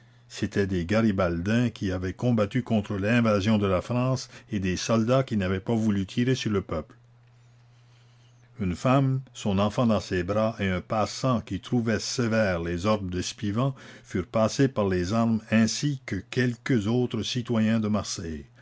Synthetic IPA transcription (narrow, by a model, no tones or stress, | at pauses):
set̪ʰɛd̪eɡaʁibald̪ɛ̃kʲʰiavɛkɔ̃bat̪ykɔ̃t̪χəlɛ̃vazjɔ̃d̪əlafʁɑ̃ːsed̪esɔld̪akʲinavɛpavulyt̪ʰiʁesyʁləpœpl | ynfamsɔ̃nɑ̃fɑ̃d̪ɑ̃sebʁaʔeɛ̃pasɑ̃kʲit̪ʁuvɛsevɛːʁlezɔʁd̪əd̪ɛspivɑ̃fyʁpasepaʁlezaʁmɛ̃sikəkʲɛlkəzoːt̪ʁəsit̪wajɛ̃d̪əmaʁsɛj